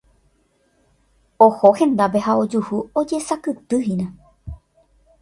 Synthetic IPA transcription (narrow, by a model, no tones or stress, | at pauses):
ohohẽ̞nd̪ap̬e̞hao̞d͡ʒuhuo̞d͡ʒe̞sakɨt̪ɨɦinã